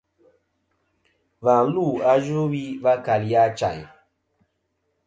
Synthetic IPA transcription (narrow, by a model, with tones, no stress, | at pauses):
va˨˦lu˦˨a˦ʒu˦wi˦va˦ka˨lja˦t͡ʃa˨j